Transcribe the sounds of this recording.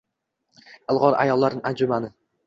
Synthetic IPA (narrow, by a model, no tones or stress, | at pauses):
ɨlˠʁɒɾa̰jɒlˠːaɾnɪŋand͡ʒʊmanɪ